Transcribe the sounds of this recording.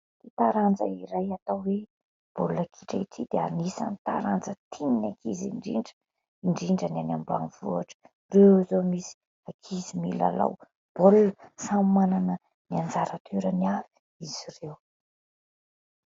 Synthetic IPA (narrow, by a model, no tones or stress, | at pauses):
t̪it̪aɾand͡zə̰iɾajat̪awwe | b̥olulakʰiʈ͡ʂaiʈ͡ʂʰid̪eanisa̰nit̪a̰ɾand͡zət̪ʰininakʰiziɳɖ͡ʐḭɳɖ͡ʐə | iɳɖ͡ʐiɳɖ͡ʐənanambua̰nvuaʈ͡ʂə̥ | rewzomisi̥ | akʰizimila̰la̰w | b̥oluləsammananə | niand͡zaɾat̪ʰyɾəniavi̥ | iz̥irew